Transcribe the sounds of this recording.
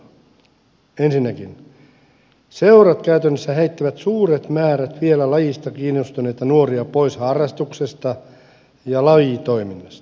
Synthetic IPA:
ensinːækin | se̞uɾɑt̪kæyt̪ønːesːæhe̞ijt̪ːæʋæt̪suːɾet̪mæːɾæt̪ʋielælɑjist̪ɑkiːnːust̪une̞jt̪ɑnuoɾiɑpo̞ishɑrːɑst̪ukse̞st̪ɑ | jɑlɑjit̪oiminːɑst̪ɑ̥

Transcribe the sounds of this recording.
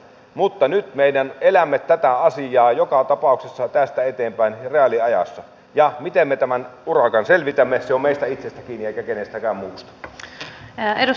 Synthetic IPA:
mut̪ːɑnyt̪meidænelæmːet̪ːæt̪æɑsijɑːjokɑt̪ɑpɑˑuksesːɑt̪æst̪æet̪eːmpæˑinreɑliɑjɑ̰sːɑ | jɑmit̪emːet̪æmænurɑkɑnselʋit̪æmːeseomeˑist̪æit̪sest̪ækiːnieˑikækenest̪ækæˑːmmuːst̪ɑ̥ | edu

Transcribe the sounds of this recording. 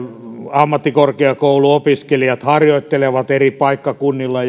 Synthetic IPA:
ɑmːɑt̪ːikorkeɑkouluopiskelijɑt̪hɑrjoit̪ːeleʋɑt̪eripɑikːɑkunːilːɑ

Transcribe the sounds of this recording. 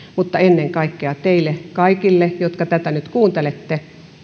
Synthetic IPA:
mut̪ːɑenːeŋkɑikːeɑt̪eilekɑikilːejot̪kɑt̪æt̪ænyt̪kuːnt̪elet̪ːe

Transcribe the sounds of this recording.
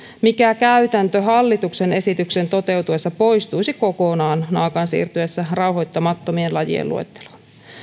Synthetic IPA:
mikækæyt̪ænt̪øɦɑlːit̪ukse̞ne̞sit̪ykse̞nt̪o̞t̪e̞wt̪ue̞sːɑpo̞ist̪ujsiko̞konɑːnnɑːkɑnsḭːrt̪yesːærɑwɦo̞jt̪ːɑmɑt̪ːo̞mienlɑjḭḛlṵḛt̪ːe̥lo̥n

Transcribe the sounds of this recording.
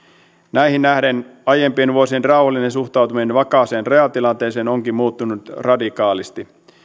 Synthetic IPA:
næihinːæhdenɑjempienʋuosienrɑuwhɑlːinensuxt̪ɑwt̪umienʋɑkɑse̞ːnre̞ɑlt̪ilɑnt̪e̞ːseːno̞ŋkimmuːt̪ːunut̪rɑdikɑːlist̪i

